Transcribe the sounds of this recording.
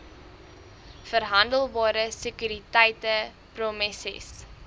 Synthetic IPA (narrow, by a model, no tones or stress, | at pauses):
fəɾɦɐndəlˠbɑːɾəsəkyɾitɛjtə | promɛsḭs